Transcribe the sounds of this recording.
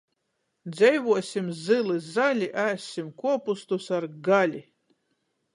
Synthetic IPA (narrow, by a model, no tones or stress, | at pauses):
d̪zɛjvuɔsimzɨlˠɨzalʲiʔæsimkuɔpust̪usaɾɡalʲi